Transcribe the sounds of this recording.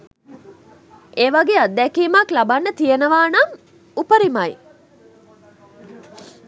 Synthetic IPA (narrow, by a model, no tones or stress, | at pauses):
eːʋaɡeːad̪ːɛkiːmaklabanːət̪ijenəʋaːnaŋ | upəɾimaj